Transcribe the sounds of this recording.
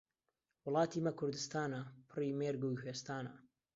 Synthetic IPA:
wʊlˠɑːt̪ʰiːmɐkʰʊɾd̪ɨst̪aːnɐpʰɨriːmeːɾɡuheːst̪aːnɐ

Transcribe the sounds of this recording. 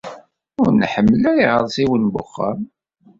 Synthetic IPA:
ʊɾnħəmːəlæɾiʁəɾˤsiwənbʊ̰χːə̰m

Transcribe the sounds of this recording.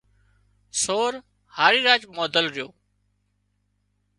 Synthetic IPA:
soːɾ | haːɾiːɾaːd͡ʒmoːd̪əlɾɪjoː

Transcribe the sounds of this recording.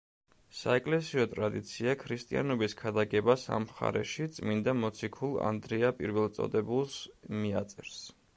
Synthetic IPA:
sa̰ɛkʼlɛsiɔt̪ʼɾad̪it̪sʰiakʰɾist̪ʼia̰nɔbiskʰad̪aɡɛbasa̰mχa̰ɾɛ̰ʃit̪sʼmind̪amɔt̪sʰikʰulˠa̰nd̪ɾɛapʼiɾvɛlˠt̪sʼɔ̰d̪ɛbulˠsmiat̪sʼɛɾs

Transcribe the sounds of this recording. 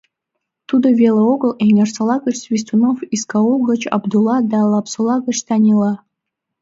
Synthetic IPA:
t̪ud̪ovʲeləoɡəlˠenʲersə̆lˠɑɡə̆t͡ɕsvʲis̬t̪unofiskɑolˠɡə̆t͡ɕɑ̰bd̪ulˠɑd̪ɑlˠɑpsŏlˠɑɡə̆t͡ɕt̪ɑnʲilˠɑ

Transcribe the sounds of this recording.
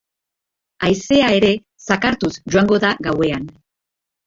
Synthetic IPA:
ajse̞ae̞ɾe̞ | sakaɾt̪usd͡ʒuaŋɡo̞ðaɣawe̞an

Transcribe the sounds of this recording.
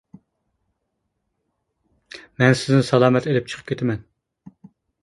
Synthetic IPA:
mɛnsɪznɪsɑlˠɑːmɛt̪elɪp̚t͡ʃʰə̥qʰə̥pkʲʰet̪ʰɪmɛn

